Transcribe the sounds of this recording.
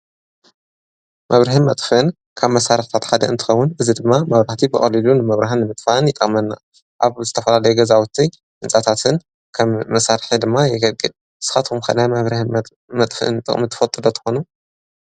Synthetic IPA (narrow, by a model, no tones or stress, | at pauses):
mʔɐβɾɐhɨnmɐt̪ʼxɨn | kʰaβmɐsaɾɨħt̪ʰat̪ħad̪ɐɨnt̪ʰɨ̥xɐwːʊnɨzid̪ɨmːamɐβɾaħt̪ʰibɨχʼɐlilunɨmɐβɾaɦɨnːɨmɨt̪ʼfaɨnjɪt̪ʼɐ̰mɐnːa | ʔaβzɨt̪ʰɐfɐlalɐjuɡɐzawut̪ʰi | ʔɨnt͡sʼat̪ʰat̪ʰɨn | kʰɐmmɐsaɾħid̪ɨmːajɛɡɐlkʼɨl | sɨ̥xat̪kumkʰɐnajβɾɐh | mɐt̪ʼxɨʔɨ̰nt̪ʼɨ̰χʼmit̪ʰɨ̥fɐt̪ʼːɨlot̪ʰɨ̥xonu